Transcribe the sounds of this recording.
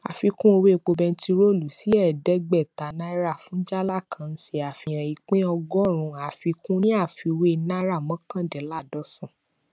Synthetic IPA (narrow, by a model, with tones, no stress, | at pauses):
a̰˨fi˧kũ˦o˧we˦˨k͡po˧bɛ˧n̩˦ti˧ɾo˦˨lu˨si˦ɛ˦˨dɛ˦ɡ͡bɛ˦˨ta˨nã˦i˦ɾa˦˨fũ˨˦d͡ʒa˦la˦˨kʰã˨˧n̩˦si˧a˨fi˧˨j̃ã˨i˨k͡pẽ˦ɔ˧ɡɔ˦˨ɾ̃ũ˨˧a˨fi˧kũ˦nĩ˦a˦˨fi˧we˦˧nã˦ɾa˦˨mɔ̃˨˦kã˦˨dɛ˨˦la˦˨dɔ˦sã˦˨